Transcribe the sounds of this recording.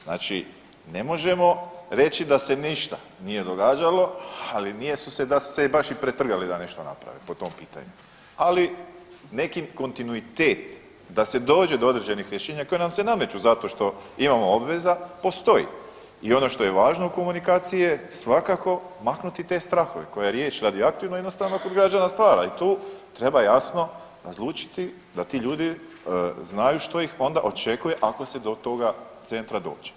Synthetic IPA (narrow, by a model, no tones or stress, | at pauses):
zna̰ːt͡ʃḭ | ne̞mo̞ʒe̞mo̞ɾe̞t͡ɕid̪ase̞niʃt̪a | nije̞d̪o̞ɡaːd͡ʒalo̞alinije̞sused̪asu̥sebaʃipɾet̪r̩ɡalid̪ane̞ʃt̪ona̰pɾa̰ʋepo̞t̪o̞mpiːt̪a̰ɲu | ali | ne̞kiko̞nt̪inuit̪eːt̪ | d̪ase̞d̪o̞ːd͡ʑe̞d̪o̞o̞d̪ɾed͡ʑe̞nixɾje̞ʃeːɲako̞jenamse̞name̞t͡ʃuzat̪oʃt̪o̞imamo̞o̞bʋe̞zapo̞st̪o̞jḭ | io̞no̞ʃt̪o̞je̞ʋaːʒno̞uko̞munikaːt̪sijijesʋakako̞maknut̪it̪e̞st̪ɾaxo̞ʋe̞̰ko̞jaɾjeːt͡ʃɾad̪ioakt̪uiʋlnojed̪nost̪aʋnokod̪ɡɾad͡ʒanast̪ʋaːɾa̰it̪uːt̪ɾe̞bajasno̞ | ɾazlˠuːt͡ʃi̥t̪i | d̪at̪iːʎuːd̪i | znajuʃt̪o̞jixo̞nd̪aʔo̞t͡ʃe̞kuje̞ʔako̞se̞d̪o̞t̪o̞ɡat̪se̞nt̪ɾad̪o̞̰ːd͡ʒe̥